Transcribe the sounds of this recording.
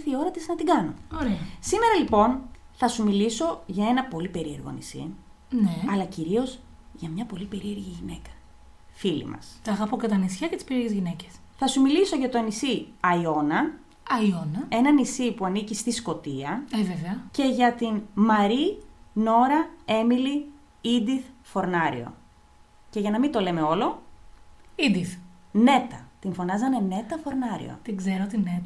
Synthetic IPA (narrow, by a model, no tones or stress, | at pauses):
θio̞ɾɐt̪iznɐt̪iɡɐno̞oɾeɐsime̞ɾɐlipo̞n | θɐsumiliso̞ʝɐe̞nɐpo̞lipe̞ɾie̞ɾɣo̰nisḭ | neɐlɐciɾio̞z | ʝɐmɲɐpo̞lipe̞ɾie̞ɾʝiʝine̞kɐ̥ | filḭmɐ̰st̪ɐːɣɐpocɐt̪ɐnisçɐcet̪i̥spe̞ɾieʝezʝineces | θɐsumiliso̞ʝɐt̪o̞nisiɐio̞nɐ | ɐionɐe̞nɐnisipuɐnicist̪isko̞t̪iɐeveveɐce̞ʝɐt̪inmɐɾino̞ɾɐe̞mili | id̪iθfo̞ɾnɐɾḭo̞̰ | ce̞ʝɐnɐmint̪o̞le̞me̞o̞lo̞ | id̪iθ | ne̞t̪ɐt̪iɱfo̞nɐzɐne̞ne̞t̪ɐfo̞ɾnɐɾḭo̰t̪iɡzeɾoot̪inet̪ɐ